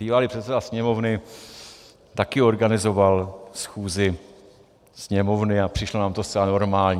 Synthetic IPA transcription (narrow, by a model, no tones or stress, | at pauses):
biːvalipr̝ɛt̪sɛdasɲɛmo̞vnɪ | t̪akɪo̞ɾɡanɪzo̞valsxuːzɪ | sɲɛmo̞vnɪapr̝̥ɪʃlonaːmt̪ost̪t͡sɛlano̞ɾmaːlɲ